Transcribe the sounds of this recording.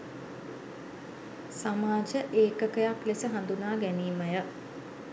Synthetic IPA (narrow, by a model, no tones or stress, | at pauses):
samaːd͡ʒəʔeːkəkəjaklesəɦand̪unaːɡæniːməjə